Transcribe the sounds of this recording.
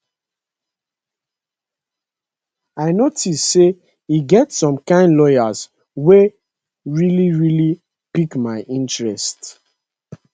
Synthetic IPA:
aɪnotisse | iɡɛtsɔ̃mkãɪ̃ndlɔɪaz | we | ɹiliɹili | pikmaɪʔĩntɹɛst

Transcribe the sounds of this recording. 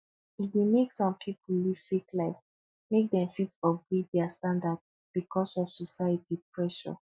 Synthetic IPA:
ifdemeksɔ̃mpʰipuliv̥fiklaɪf | mek̚dɛ̃mfitɔfɡɹivdɛastãndad | b̥ikʰɔsɔv̥sɔsaɪɛtʰipʰɹɛʃɔ̰

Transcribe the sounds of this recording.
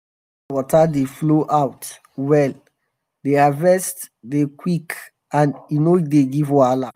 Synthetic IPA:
wɔtʰadefloʔawt | wɛl | deavɛst | dekwik | ãninoideɡivwala

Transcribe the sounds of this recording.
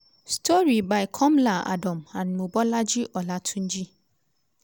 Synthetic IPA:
stʰɔɾibaɪkʰɔ̃mlaa̰dɔ̃mãnmũbɔlad͡ʑiʔɔlatʰũnd͡ʒi

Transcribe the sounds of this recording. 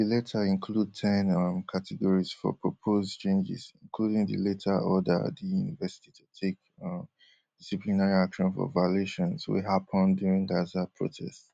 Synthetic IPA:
ðilɛtʰəĩnkʰlud̚tʰɛ̃nmkʰatʰɛɡɔɹiz̥fɔ̰pʰɹɔpʰozt͡ʃʰẽnd͡ʒɪ̰zĩnkʰludĩŋdɨ̰letʰəɔdə̰ðijunivɛsi̥titʰutʰek̚ | disiplinaɹiakʃɔ̃nfɔ̰valeʃɔ̃nswḭɦapʰɔ̃ndjuɹĩŋɡazapʰɹo̰tʰɛ̰sts

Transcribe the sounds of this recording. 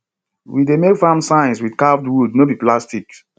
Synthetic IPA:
widemekfãmsãɪ̃nswidkavdwudnobiplastik̚

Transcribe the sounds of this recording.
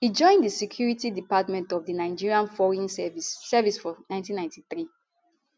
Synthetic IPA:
hid͡ʒɔ̃ɪ̃ndisɛkʰjuɹitidipatmɛ̃ntɔvdinaɪd͡ʒiɹiãnfɔɹĩnsɛvisːɛvisfɔnãɪ̃ntĩnːãɪ̃ntiθɹi

